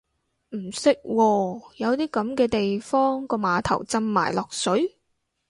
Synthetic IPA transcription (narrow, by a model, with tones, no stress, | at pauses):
m̩˨˩sɪ˥k̚wɔː˧jɐ˨˧wt̪iː˥kɐ˨˥mkɛː˧t̪e˨jfɔː˥ŋkɔː˧maː˨˧t̪ʰɐ̰˨˩wt͡sɐ˧mːa̰ː˨˩jlɔː˨k̚sɵ˨˥ɥ